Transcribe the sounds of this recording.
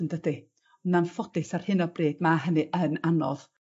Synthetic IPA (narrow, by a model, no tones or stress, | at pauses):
əndədi | nanfɔdɪsar̥hɪnɔbreːdmaɦənɨʔənanɔð